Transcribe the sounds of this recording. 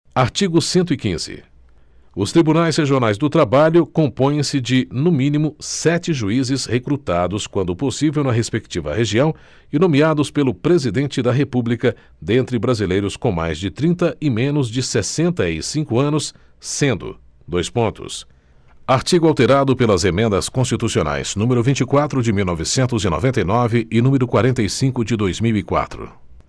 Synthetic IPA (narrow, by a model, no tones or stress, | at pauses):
aɾt͡ʃiɡʊsẽnt̪̬ʊikḭ̃z̥ɪ̰ | ʊst̪ɾibunajzsheʒionajzd̪ʊt̪ɾabaʎʊkõpõj̃ẽsɪd͡ʒɪnʊmĩnimʊsɛt͡ʃɪʒuizɪshekɾut̪ad̪ʊskwɐ̃nd̪ʊposivewnɐɦespek̚t͡ʃivɐ̰ɦeʒiɐ̃w̃ | ɪnõmiad̪ʊspelʊpɾezid̪ẽnt͡ʃɪd̪ɐɦepublikɐ | d̪ẽnt̪ɾɪbɾazilejɾʊskõma̰jzd͡ʒɪt̪ɾĩt̪ɐʔɪmẽnʊzd͡ʒɪsesẽnt̪ɐɪsĩŋkʊɐ̃nʊsː | ẽnd̪ʊ̰ | d̪ojspõnt̪ʊ̰s | aɾt͡ʃiɡʊawt̪eɾad̪ʊpelɐzemẽnd̪ɐskõs̬t͡ʃit̪usiona̰jz̥nũmeɾʊvĩnt͡ʃɪkwat̪ɾʊd͡ʒɪmiwnɔvɪsẽnt̪ʊzɪnɔ̰vẽnt̪ɐjnɔvɪɪnũmeɾʊkwaɾẽnt̪ɐjsĩkʊd͡ʒɪd̪ojzmiwikwa̰t̪ɾʊ̰